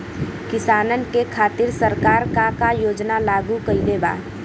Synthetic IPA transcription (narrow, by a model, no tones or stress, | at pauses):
kɪsaːnənkekʰaːt̪ɪɾsəɾkaːɾkakajoːd͡ʒnalaːɡukəileːba̰ː